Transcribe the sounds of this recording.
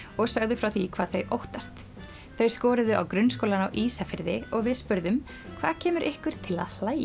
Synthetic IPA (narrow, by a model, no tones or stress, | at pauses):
ɔɣsaɣðʏfɾawθikʰv̥aːðθeɥjʔowht̪ast̪ | θeɥjskɔːɾɪðʏʔa̰wkɾʏns̬kowlana̰wʔiːsafɪɾðɪɔɣvɪðspʏɾðʏm | kʰv̥aːðcʰɛːmʏɾʔɪhkʏɾ̥t̪ʰɪla̰ðl̥aːj